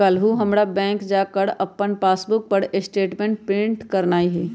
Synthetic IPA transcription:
əlɦuɦɐmɾabɛ̃ːŋkd͡ʒaːkəɽɐpːənpaːsbʊk̚pəɽɪsʈeːʈmẽːɳʈpɾɪ̃ɳʈkɐɾnaːiɦɛː

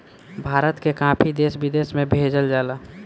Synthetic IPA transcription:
bʱaːɾət̪kekãːpʰid̪eːsbid̪eːsmẽbʱeːd͡ʒəld͡ʒaːla

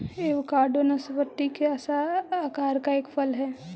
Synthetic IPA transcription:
eːʋkaːɾɖonɐsʋət̪ːikeɐsaakaːɾkaeːkpʰɐlɦɛː

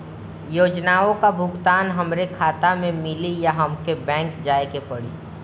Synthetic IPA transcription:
joːd͡ʒnaːõkabʱʊɡt̪aːnɦɐmɾekʰaːt̪amẽmɪlijaɦɐmkebɛ̃ːŋkd͡ʒaːekepəɽḭː

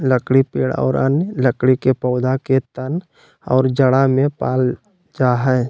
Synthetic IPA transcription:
ləkɽipeːɽɔ̰ːɾə̰nləkɽikepɔʊd̪aket̪ən | ɔ̰ːɾd͡ʒəɽamẽpaːl | d͡ʒaɦɛː

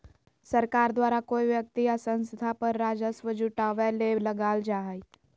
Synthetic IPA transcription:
səɾkaɾd̪ʋaɾakojʋjək̚t̪iəsə̃ñsəd̪ʱapəɾːad͡zəsʋəd͡ʑuʈaʋaleləɡald͡ʒaɦaj

